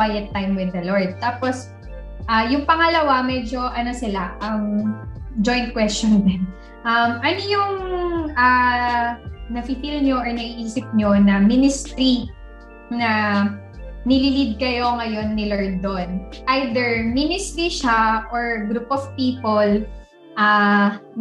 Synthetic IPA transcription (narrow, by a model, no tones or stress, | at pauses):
wajɛt̪ːajmwɪd̪ːɐloɹd̪̚t̪aːpos | ʔajʊŋpɐŋɐlɐwamɛd͡ʒo̞ʔɐnosɪlaʔɐŋ | d͡ʒojnt̪̚kwɛst͡ʃɔnd̪ɛn | ʔɐmʔɐnojʊŋʔa | nɐfit̪ilɲo̞ʔɔɹnɐiʔiːsɪp̚ɲo̞nɐminɪst̪ɾi | nɐ | nɪlilid̪̚kɐjo̞ŋɐjo̞nːɪlɐɹd̪onʔajd̪ɛɹminɪst̪ɾiʃaʔoɹɡɾupɔvpiːpol | ʔa